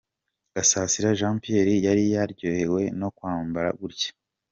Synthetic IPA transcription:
ɡ̥asasiɾaʒãːmpijeɾijaɾijaɾɟoːhe̞we̞no̞kwaːmbaɾa̰ɡuɾɟḁ

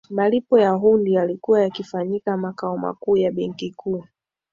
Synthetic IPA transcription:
malipɔjaɦundijalikuwajakifaɲikamakaɔma̰kuːjaɓɛŋkikʰuː

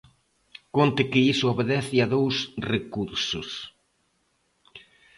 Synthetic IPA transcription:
kont̪ɪkɪisʊoβeðɛθɪaðowsrekuɾsʊs

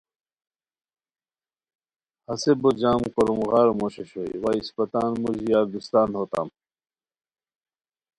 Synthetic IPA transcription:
hɐsebod͡ʑaːmkoɾumɣaːɾomoɕeɕoḭwaːispɐt̪aːnmuʑijaːɾd̪ust̪aːnɦoːt̪a̰ːm

